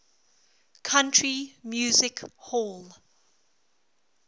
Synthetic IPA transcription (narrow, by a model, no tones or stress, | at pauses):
kʰãntʰɹimjuːzɪkhol